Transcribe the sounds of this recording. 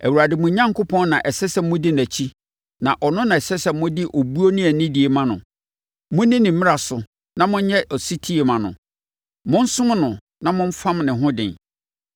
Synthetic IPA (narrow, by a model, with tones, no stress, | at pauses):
æ˨wu˨ɾa˨dɪ˨mʊ̃˨ɲã˦ŋkʰʊ˦pʰɔ̃˦nnã˨ʔɛ˨sɛ˦sɛ˨mʊ̃˦dɪ˦næ˨t͡ɕʰi˦ | nã˨ʔɔ˨nʊ̃˦nã˨ɛ˨sɛ˦sɛ˨mʊ̃˦dɪ˦ʔo˨bu˦o˦nĩ˦æ˨nɪ̃˦di˨e˨mã˦nʊ̰̃˨ | mʊ̃˦nɪ̃˦nɪ̃˨m̩˦mɪ̃˦a˨sʊ˨ | nã˦mʊ̃˦ɲ˦ɲɛ˦ʔɔ˨si˦tʰi˦e˨mã˨nʊ̰̃˨ | mʊ̃˦n̩˦sʊ̃˦m˦nʊ̃˨ | nã˦mʊ̃˦ɱ̩˦fã˦mnɪ̃˨ɦʊ̃˦dɪ̰̃˨n